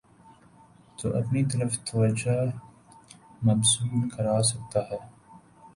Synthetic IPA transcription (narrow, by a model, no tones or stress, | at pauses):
t̪o̰ːʔɐpnit̪ɐɾəft̪ʰɐʋɐd͡ʒa | mɐbsuːlkɐɾaːs̬ɐk̚t̪aɦɛː